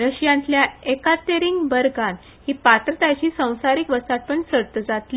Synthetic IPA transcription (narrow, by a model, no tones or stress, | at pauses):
ɾəɕjãnt̪ljaekat̪eɾiŋɡbəɾɡan | hiːpat̪ɾət̪ajt͡ɕiːsə̃w̃saɾikʋəsat̪̚pəɳsəɽt̪əd͡zat̪li